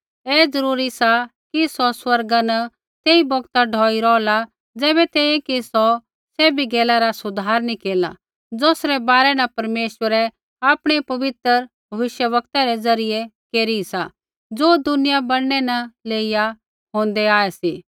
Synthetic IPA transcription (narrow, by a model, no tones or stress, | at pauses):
ɛːd͡zɐɾuːɾisakisɔswɐɾɡanɐ | t̪eːibɔɡt̪aɖʱɔːiɾɔːla | d͡zɛːβɛt̪eːĩkisɔ | sɛːbiɡɛːlaɾasʊd̪ʱaːɾnikeːla̰ | d͡zoːsɾɛbaːɾɛnɐpɐɾmeːʃwəɾɛ | aːpɽ̃ɛpɐʋɪt̪ɾəɾ | bʱɐʋɪʃjəʋɐk̚t̪aɾɛd͡zɐɾɪjekeːɾisa | d͡zoːd̪ʊnɪjabɐɽñɛnɐleːija | ɦõːnd̪ɛaːɛsiː